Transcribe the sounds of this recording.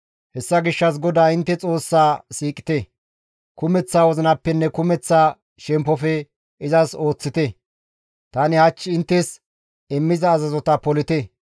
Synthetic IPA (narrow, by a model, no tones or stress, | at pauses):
hɛsːɐɡɪʃːɐs̬ɡɔd̪aːɪnt̪ːɛt͡sʼo̞ːsːaːsiːkʼɪ̥t̪ɛ | kʊmɛt͡sːaːwɔzɪnɐpːɛnːɛkʊmɛt͡sːaː | ʃɛmpːɔfɛ | ɪzɐso̞ːt͡sːɪt̪ɛ | t̪ɐnɪhɐt͡ʃːɪɪnt̪ːɛs | ɛmːɪzɐːzɐzɔt̪ɐpɔlɪt̪ɛ